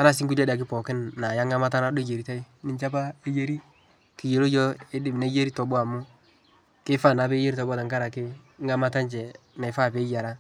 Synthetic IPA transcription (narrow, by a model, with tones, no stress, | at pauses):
a˦na˨s̬ɪ˦ŋku˦la˦da˨k̬ɪ˦pɔ˨kɪ˦nːa˨ja˦ŋɡa˦ma˦t̬a˦na˦do˦d͡ʒe˨ɾi˨ta˦i˦ | nɪ˦ɲt͡ʃa˦pa˦e˦je˦ɾi˦ | kɪ˨je˨lo˦jɔ˦e˦dɪ˦mna˦je˦ɾi˦tɔ˨bʊ˦a˨mʊ˦ | kɪ˦fa˦˨na˨be˦je˦ɾi˦tɔ˨bta˨ŋɡa˦ɾa˨kɪ˦ | ŋɡa˦ma˦ta˦nt͡ʃɛ˨na˨ɪ˨fa˦˨pe˨˦ja˨ɾa˦